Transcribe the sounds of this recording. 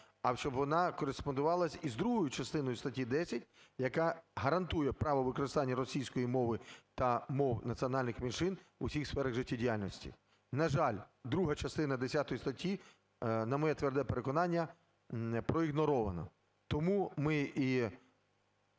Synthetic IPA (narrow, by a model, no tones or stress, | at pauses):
ɐwʃt͡ʃɔbʋɔnɑkɔɾespɔnd̪ʊʋɑlˠɐsʲizd̪ɾuɦɔjʊt͡ʃɐst̪ɪnɔjʊst̪ɐtʲid̪ɛsʲɐtʲjɐkɑɦɐɾɐnt̪ujɛpɾɑʋɔʋɪkɔɾɪst̪ɑnʲːɐɾɔsʲijsʲkɔjimɔʋɪt̪ɐmɔwnɐt̪sʲiɔnɑlʲnɪxmʲinʃɪnusʲixsfɛɾɐɣʐɪtʲːidʲijalʲnɔsʲtʲḭ | nɐʒɑlʲd̪ɾuɦɐt͡ʃɐst̪ɪnɐd̪esʲat̪ɔjist̪ɐtʲːi | nɐmɔjɛt̪ʋɛrd̪ɛpeɾekɔnɑnʲːɐ | pɾɔiɣnɔɾɔʋɐ̰nɔ̰ | t̪ɔmumɪi